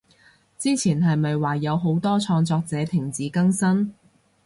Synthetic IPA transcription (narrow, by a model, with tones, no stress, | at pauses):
t͡siː˥t͡sʰiː˨˩nɦɐ˨jmɐ˨jwaː˨˩jɐ˨˧wɦo˨˥wt̪ɔː˥t͡sʰɔː˧ŋt͡sɔː˧k̚t͡sɛː˨˥t̪ʰɪ˨˩ŋt͡siː˨˥kɐ˥ŋsɐ˥n